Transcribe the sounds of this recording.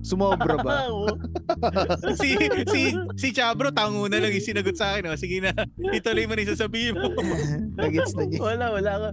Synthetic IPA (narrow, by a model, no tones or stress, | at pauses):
sʊmoːbɾɐbɐ | sisisit͡ʃaːbɾot̪aːʊŋuːnɐlɐŋjisɪnɐɡot̪̚saːkɪnʔosɪɡɪnɐ | ɪt̪olojmɐnɐsasɐbiːhɪmomlɐɡɪt̪slɐɡɪwɐlawɐlakɐ